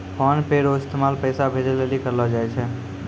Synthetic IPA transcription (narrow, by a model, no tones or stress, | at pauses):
pɔnpeɾoɪst̪emalpəjsabʱed͡ʒelelikəɾlɔd͡ʒajt͡ʃʰɛ